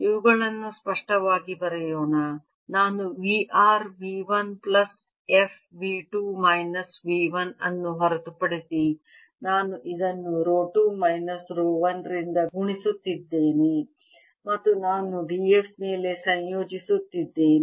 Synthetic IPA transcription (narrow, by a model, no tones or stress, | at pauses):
iʋuɡɐɭɐnːuspɐʂʈɐʋaːɡibɐɾɛjoːnɐ | naːnuʋiːʔaːɾʋiːʋɐnplɐs | epʰ | ʋiːʈuːmɐjnɐsʋiːʋɐnɐnːuɦɐɾɐt̪upɐɽisi | naːnuʔid̪ɐnːuɾoːʈuːmɐjnɐsɾoːʋɐnɾind̪ɐɡuɳisut̪ːid̪ːeːni | mɐt̪ːunaːnuɖiepme̞ːle̞sɐnjoːd͡ʒisut̪ːid̪ːeːn